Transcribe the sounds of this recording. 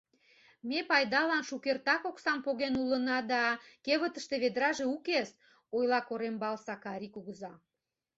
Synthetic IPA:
mepɑjd̪ɑlɑnʃukert̪ɑkoksɑmpoɣenulənɑd̪ɑkeβət̪əʃt̪eβed̪ɾɑʒeukes | ojlɑkoɾembɑlsɑkɑɾʲikuɣəzɑ

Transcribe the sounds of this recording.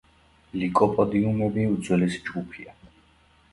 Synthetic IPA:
likʼɔpʼɔd̪iumɛbiud̪zwɛlɛsd͡ʒɡupʰia

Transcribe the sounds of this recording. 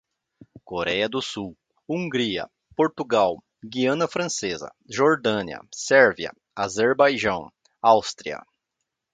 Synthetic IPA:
koɾɛjɐd̪ʊsuw | ũŋɡɾiɐ̰ | poɾt̪uɡaw | ɡiɐ̃nɐfɾɐ̃sezɐ̰ | ʒoɾd̪ɐ̃niɐ̰sɛɾviɐ̰ | azeɾbajʒɐ̃w̃ | awst̪ɾiɐ̰

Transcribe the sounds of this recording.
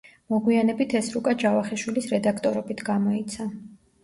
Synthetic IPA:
mɔɡwianɛbit̪ʰɛsɾukʼad͡ʒavaχɛʃwilisɾɛd̪akʰt̪ʼɔɾɔbit̪ʰɡamɔit̪sʰa

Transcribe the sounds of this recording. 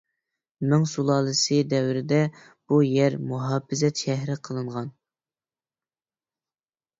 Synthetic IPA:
mɪŋsulˠɑːlˠɨsɨd̪ɛwɾɪd̪ɛ | b̥ujɛɾmuɦɑːpːɪzɛt̪ʃɛɦɾɪqʰəlˠɨɴʁɑn

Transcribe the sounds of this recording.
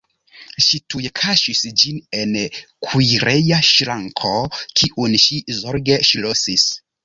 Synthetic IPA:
ʃitujekʰaʃisd͡ʒine̞n | kʰujɾejaʃɾaŋkʰo̞kʰiʔunʃizoɾɡe̞ʃlosis

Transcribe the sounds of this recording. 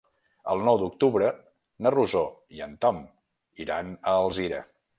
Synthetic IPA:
ə̰lˠnɔwd̪uk̚t̪uβɾə | nəruzoiənt̪ɔm | iɾanəːlˠziɾə̰

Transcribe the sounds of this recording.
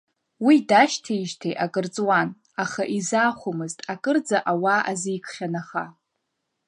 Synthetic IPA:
widaʃtʰeiʒtʰejʔakʼɨrt͡sʼwan | aχaʔizaːχʷʊmɨztʼakʼɨrd͡zaʔawaʔazijkʷʰχʲanaχa

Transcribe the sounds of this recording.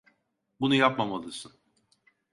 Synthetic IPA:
bunujapmamalˠɯsɯn

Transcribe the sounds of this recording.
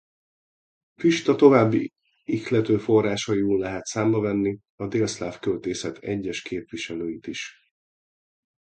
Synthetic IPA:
fiʃt̪ɒt̪o̞vaːbːi | ixlɛt̪øːfo̞rːaːʃɒjuːlːɛɦɛt̪saːmbɒvɛnːi | ɒd̪eːlslaːfkølt̪eːsɛt̪ʰɛ̰ɟːɛʃkʰeːpʋiʃɛløːjit̪iʃ

